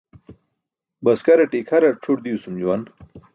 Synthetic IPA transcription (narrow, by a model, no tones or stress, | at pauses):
bɐskɐɾɐʈikʰɐɾɐʈ͡ʂʰuʈ̚d̪iusumd͡ʑuwan